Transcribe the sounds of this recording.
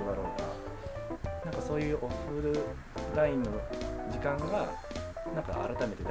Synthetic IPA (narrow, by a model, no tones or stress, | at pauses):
d̪aɾo̞ːka̰ | nãŋkaso̞ːjɯ̟ːʔo̞ɸɯɾɯ̟ | ɾaĩnːo̞d͡ʑikãŋɡanãŋka̰a̰ɾat̪ame̞t̪e̞d̪